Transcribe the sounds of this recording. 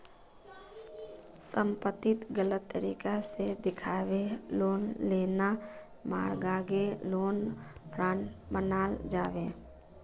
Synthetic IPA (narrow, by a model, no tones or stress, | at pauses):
sə̃mpət̪ːɪt̪ɡələt̪ːəɾiːkased̪ɪkʰaːʋeloːnleːna | ma̰ːɾɡaːɡeloːnpʰɾãːɳbənaːld͡ʒaːʋeː